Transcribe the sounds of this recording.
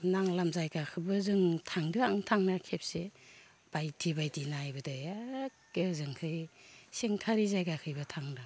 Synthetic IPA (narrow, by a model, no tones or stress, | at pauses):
naŋlamzajɡakʰɯbɯzɯŋtʰaŋdɯaŋtʰaŋnakʰep̚se | b̥ajtʰibajdinajbɯdɯjakːɯzɯŋkʰɯjseŋtʰaɾizajɡakʰɯjbɯtʰaŋdɯ